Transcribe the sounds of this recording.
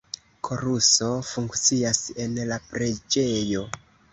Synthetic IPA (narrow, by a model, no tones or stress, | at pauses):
kʰo̞ɾuso̞fuŋkt͡siase̞nlapɾe̞d͡ʒe̞jo̞